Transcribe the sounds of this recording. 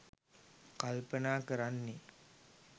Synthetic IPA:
kalpənaːkəɾanːe

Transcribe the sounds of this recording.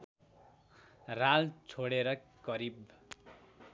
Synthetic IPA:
ralt͡sʰoɽeɾʌkʌɾib

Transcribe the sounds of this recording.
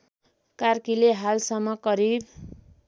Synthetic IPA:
karkileɦalsʌmːʌkʌɾib

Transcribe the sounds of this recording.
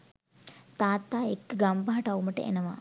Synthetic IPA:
t̪aːt̪ːaːekːɡambaɦaʈauməʈə̰ʔḛnəʋa̰

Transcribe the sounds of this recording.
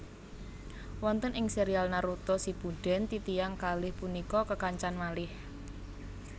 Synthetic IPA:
wɔnt̪ənɪŋseɾialnaɾut̪ɔsib̥uɖ̥ɛ̤nt̪it̪ijaŋkalɪhpunikɔkəkaɲt͡ʃanmalɪh

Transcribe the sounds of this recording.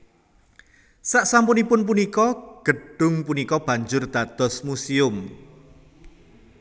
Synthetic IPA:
saʔsampʊnipʊnp̬unikɔɡ̥əɖ̥ʊ̤ŋpunikɔb̥a̤ɲd͡ʒʊrd̪̥a̤d̪̥ɔ̤smusiʊm

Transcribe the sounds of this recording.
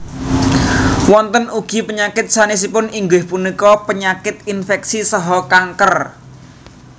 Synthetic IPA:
wɔnt̪ənuɡ̥i̤pəɲakɪt̪̚sanis̬ipʊniŋɡɪhpunikɔpəɲakɪt̪infɛksisɔɦɔkaŋkər

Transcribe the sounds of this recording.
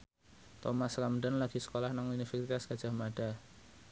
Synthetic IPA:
t̪ɔmaskamdənlaɡ̥i̤sə̥kolahnaŋunifɛsit̪asɡ̥a̤̥ʒ̥a̤hmaɖ̥a

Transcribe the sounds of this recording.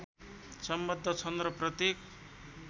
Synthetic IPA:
sʌmbʌd̪ʱːʌt͡sʰʌnd̪ɾʌprʌt̪jek

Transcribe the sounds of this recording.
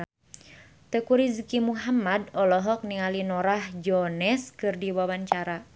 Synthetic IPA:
t̪əkuɾizkimuɦamadɔlɔɦɔk̚niŋalinɔɾahd͡ʒɔnɛskɨrdiwawaɲt͡ʃaɾa

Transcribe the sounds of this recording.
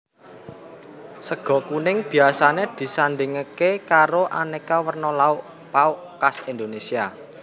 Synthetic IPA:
səɡ̥ɔ̤kunɪŋb̥i̤asaned̪̥i̤sanɖ̪ɪŋəkekaɾoʔanekawərnɔlaʊʔ | paʊʔkasind̪onesia

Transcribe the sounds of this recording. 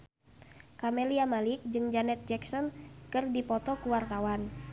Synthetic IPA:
kamɛliamalik̚d͡ʒɨŋd͡ʒanɛt̪̚d͡ʒɛksɔnkɨrdipɔt̪ɔkuwart̪awan

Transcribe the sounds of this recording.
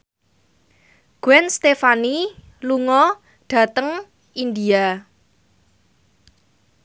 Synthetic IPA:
ɡ̥wɛnst̪efani | luŋɔ | ɖ̥ä̤t̪əŋ | ind̪ia

